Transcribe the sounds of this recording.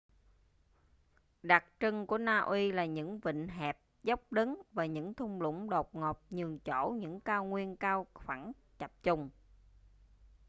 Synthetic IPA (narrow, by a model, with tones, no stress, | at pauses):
ɗa˨˩k̚t͡ɕɨ˧ŋku˧˩ənaː˧ʔwi˧laː˨˩ɲɨ̰˧˥ŋvḭ˧˨ŋ̟ɦɛ˨˩p̚zə˦˥wk͡p̚ɗə˨˦nvaː˨˩ɲɨ̰˧˥ŋt̪ʰʊ˧ŋ͡mlʊ̰˧˥ŋ͡mɗo˨˩p̚ŋɔ˨˩p̚ɲɨ˨˩əŋt͡ɕo˧˩˥ɲɨ̰˧˥ŋkaː˧wŋwi˧ənkaː˧wxwa˧˩n | t͡ɕa˨˩p̚t͡ɕʊ˨˩ŋ͡m